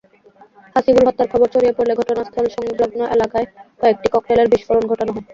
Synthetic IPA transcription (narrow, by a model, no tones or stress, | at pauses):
haʃiɡulɦɔt̪ːaɾkʰɔboɾt͡ɕoɾijepoɾleɡʱɔʈonast̪ʰɔlʃɔŋloɡnoʔelakaekɔek̚ʈikɔkʈeleɾbiʃkoɾonɡʱɔʈonaɦɔ